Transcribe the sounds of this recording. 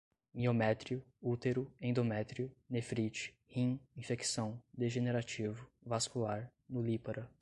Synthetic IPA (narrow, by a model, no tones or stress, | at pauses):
miomɛt̪ɾiʊ | ut̪eɾʊẽd̪omɛt̪ɾiʊnefɾit͡ʃɪ̥ | hĩĩfeksɐ̃w̃d̪eʒeneɾat͡ʃivʊvaskulaɾ | nʊlipaɾɐ